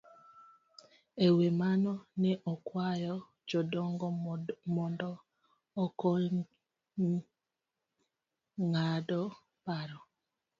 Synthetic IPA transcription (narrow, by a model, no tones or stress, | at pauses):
ewemanɔnɛʔɔkwajɔ | d͡ʒɔdɔŋɡmɔndɔː | kɔ | ŋadɔ | paɾɔ